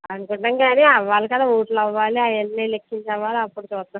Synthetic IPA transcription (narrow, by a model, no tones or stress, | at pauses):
ɐnukuɳʈɐŋɡaːniɐʋːaːlɐkɐd̪aːuːʈlɐʋːaːliɐjɐlneːlekʰːiɲt͡ʃɐʋaːluɐpːuɽut͡ʃuːst̪ːa